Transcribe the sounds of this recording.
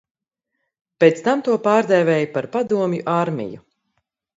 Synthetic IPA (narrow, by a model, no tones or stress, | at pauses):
pet̪st̪amt̪uɔpaːɾd̪ɛvʲɛːjupaɾpad̪uɔmjuʔaɾmʲḭjṵ